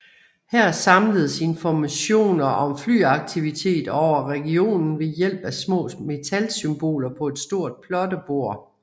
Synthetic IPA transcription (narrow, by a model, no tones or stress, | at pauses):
hæɐ̰sɑ̈mləð̞ˠse̝nfɒmæɕo̝̰ːnɐʔɒ̽mfly̰ːɑ̈ɡ̥̚t͡sʰiʋit͡sʰe̝̰ːd̥ɒʊ̰ɐʁɛɡ̥io̝̰ːnn̩ʋe̝jel̰b̥æsmɔ̰̽ːme̝t͡sʰælsymb̥o̝̰ːlɐpʰɒ̽e̝d̥sd̥o̝ɐ̰d̥̚pʰlɒ̽dəb̥o̝ɐ̰